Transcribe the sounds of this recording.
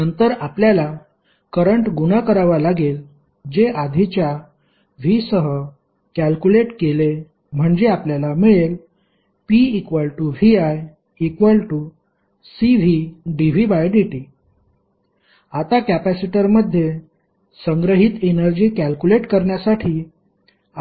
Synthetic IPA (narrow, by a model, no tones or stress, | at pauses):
nənt̪əɾapljala | kəɾəɳʈɡunəkəɾaʋalaɡel | d͡ʑeʔad̪ʱit͡ɕja | ʋ̤isəɦə | kælkuleʈkele | m̤əɳd͡ʑeapljalamiɭel | piːkʋəlʈuʋiaj | ikʋəlʈu | siʋ̤iɖiʋibajɖiʈi | at̪akæpæsiʈəɾməd̪ʱːje | səŋɡɾəɦit̪enəɾd͡ʑiːkælkuleʈkəɾɳjasaʈʰiː